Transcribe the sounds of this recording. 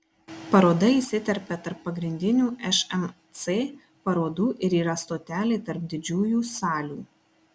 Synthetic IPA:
pɐɾoːd̪ɐisʲɪt̪ʲɛɾʲpʲɛt̪ɐɾpːɐɡɾʲɪnʲd̪ʲɪnʲuːʔɛʃɛmt̪seː | pɐɾoːd̪uːʔɪɾiːɾɐst̪oːt̪ʲæːlʲeːt̪ɐɾp̚d̪ʲɪd͡ʒʲuːjuːsɑːlʲuː

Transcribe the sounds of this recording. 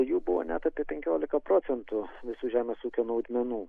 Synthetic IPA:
juːbʊʋo̰nʲɛt̪ɐpʲiɛpʲɛŋʲkʲoːlʲɪkɐpɾoːtsʲɛnt̪ʊʋʲɪsuːʒʲæːmʲeːsuːkʲoːnuʊd̪ʲmʲɛnuː

